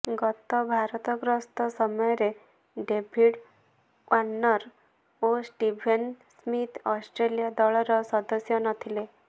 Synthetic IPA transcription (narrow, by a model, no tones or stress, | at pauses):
ɡɔt̪ɔbʱaɾt̪ɔɡɾɔst̪ɔsɔmɔjɾe | ɖebʱiɽ | ʔanːɔɾ | osʈibʱensmit̪ɔsʈɾelijad̪ɔɭɔɾɔsɔd̪əsjɔnʌt̪ʰile